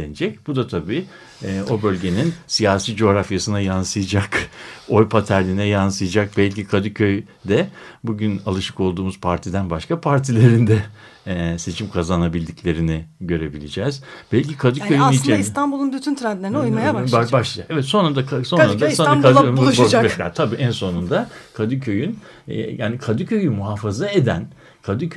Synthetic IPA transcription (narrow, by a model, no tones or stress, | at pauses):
ened͡ʒɛc̚b̥ud̪at̪ʰabiː | o̞bø̞lʲɟe̞ninsijaːsiːd͡ʒo̞ːɾafjasɯnajansɯjad͡ʒako̞jpʰat̪ʰæɾlʲinɛjansɯjad͡ʒak̚bælʲcikʰad̪ɯcʰøj | d̪ɛbuɟynalˠɯʃɯ̥ko̞lˠd̪uːmuz̥pʰaɾt̪ʰid̪ænbaʃkapʰaɾt̪ʰilʲe̞ɾind̪ɛ | se̞t͡ʃʰimkʰazanabilʲd̪iclʲe̞ɾinɪɟø̞ɾe̞bilʲid͡ʒɛːz̥b̥ɛlʲcʰikʰad̪ɯøjinit͡ʃinaist̪anbulˠunbyt̪ʰynt̪ɾad̪lʲenumajababaʃlˠad͡ʒakɛvɛt̪so̞nɾad̪akʰaso̞nɾad̪asaaaʃkat̪ʰabiːʔɛnso̞nund̪akʰad̪ɯcʰø̞jyn | ja̰ːnikʰad̪ɯcʰø̞jymuɦaːfazaed̪æn | kʰad̪ɯkʰ